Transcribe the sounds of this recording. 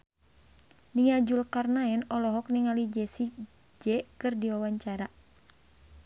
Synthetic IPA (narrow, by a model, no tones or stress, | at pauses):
niŋad͡ʒulkarnaɛnɔlɔɦɔk̚niŋalid͡ʒɛsi | d͡ʒɛkɨrdiwawaɲt͡ʃaɾa